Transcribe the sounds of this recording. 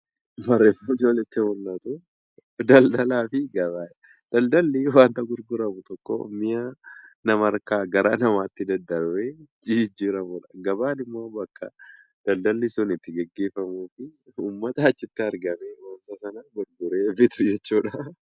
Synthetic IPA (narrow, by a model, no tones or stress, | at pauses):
mɐrːɛmʊnolɪt̪ːɪwɔlːat̪ʊ | d̪ɐld̪ɐlaːfɪɡɐβaːj | d̪̥ɐld̪ɐlːɪwaːnt̪ɐɡʊɾɡʊɾɐmʊt̪ɔkːɔ̰mɪjaːnɐmɐɾkaːɡɐɾaːnɐmaːɪt̪ːɪd̪ɐnd̪ːɐɾwed͡ʒid͡ʒiːɾɐmʊᶑɐ̥ɡɐbaːnɪmːoːbɐkːɐ̰ | d̪̥ɐld̪ɐlːɪsʊnɪt̪ːɪɡɛɡːe̞ːfːɐmuːfɪuːmːɐt̪ɐːt͡ʃːɪt̪ːɪɐɾɡɐmewaːnt̪ɐsɐnaɡʊɾɡʊɾeːbɪt̪ʊd͡ʒɛt͡ʃːuːᶑɐ